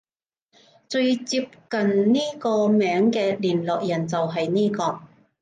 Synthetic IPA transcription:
t͡ʃɵ˧ɥt͡siː˧p̚kɐ˨nniː˥kɔː˧mɛː˨˥ŋkɛː˧liː˨˩nlɔː˨k̚jɐ˨˩nt͡sɐ˨wɦɐ˨jniː˥kɔː˧

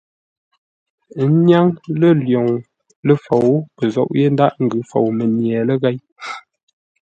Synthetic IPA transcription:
nja˦ŋlə˦˨ljo˨ŋ | lə˦fo˨wpə˨zɔ̰˨ʔje˦n˦da˦ʔŋ̩˨ɡʉ˨˦fo̰˨wmə˨njɛ˨lə˦ɣɛ˦j

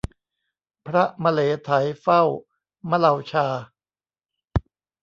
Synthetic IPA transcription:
pʰɾa˦˥ma˧leː˩˦t̪ʰa˩˦jfa˥˩w | ma˦˥la˧˩wt͡ɕʰaː˧

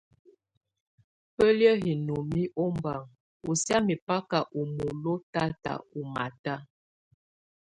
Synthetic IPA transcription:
pə˦ljə˦ɦi˨no˨mi˦ʔo˦mba˨ŋ | u˨sja˦mi˨pa˦ka˨ʔu˨mo˨lo˦ta˦ta̰˨u˨ma̰˨ta˦

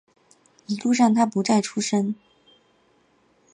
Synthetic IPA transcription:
i˧˥lu˥˧ʂ̬ɑ˥˩ŋt̪ʰa˥pu˧˥t͡sa˥˩ɪʈ͡ʂʰu˥ʂə˥ŋ

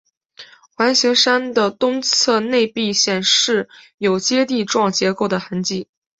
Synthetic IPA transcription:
xwa˧˥nɕi˧˥ŋʂa˥nd̪ə˨t̪ʊ˥ŋt͡sʰɤ˥˧ne˥˧ɪpi˥˧ɕjɛ˥˩nʂɻ̩˥˩ | jo˨˩ʊt͡ɕjɛ˥t̪i˥˧ʈ͡ʂwɑ˥˩ŋt͡ɕjɛ˧˥ko˥˩ʊd̪ə˩xə˧˥nt͡ɕi˥˩

